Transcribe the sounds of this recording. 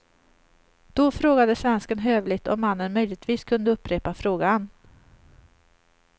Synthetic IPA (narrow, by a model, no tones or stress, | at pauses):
d̪̥ɔfɾoːɡad̪əsvɛnskənɦøːvlɪɡt̪ʰɔ̰mːanːənmœjlɪɡt̪viːskʰɵnd̪əɵpːɾeːpafɾoːɡan